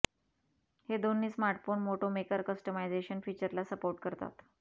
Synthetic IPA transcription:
hed̪onːiːsmaɾʈfoɳmoʈomekəɾkəsʈəmajd͡zeɕənfiːt͡ɕəɾlasəpoɾʈ̚kəɾt̪a̰t̪

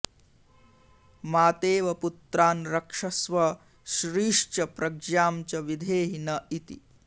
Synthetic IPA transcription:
maːt̪eːʋɐput̪ɾaːnɾɐkʂɐsʋɐ | ʃɾiːʂt͡ʃɐpɾɐɡd͡ʒjaːmt͡ʃɐʋid̪ʱeːɦinɐit̪ḭ

